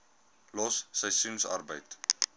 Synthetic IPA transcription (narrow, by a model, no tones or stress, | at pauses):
lɔsːəjsunsa̰rbəjt